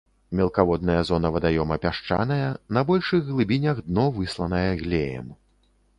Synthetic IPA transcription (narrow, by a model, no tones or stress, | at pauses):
mʲɛlˠkavɔd̪nɐjɐzɔnɐvɐd̪ajɔmɐpʲaʂt͡ʂa̰nɐjɐnɐbɔlʲʂɨɣɣlˠɨbʲinʲɐɣd̪nɔvɨslˠɐnɐjɐɣlʲejɛ̰m